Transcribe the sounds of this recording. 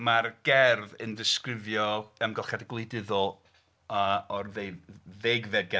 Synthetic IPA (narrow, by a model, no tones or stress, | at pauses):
marɡ̥ɛrðəndɪskrɪvjɔəmɡɔlˠχjadɡlˠɨdɪðɔlˠ | aɔrðejðeɡvɛd̚ɡɛ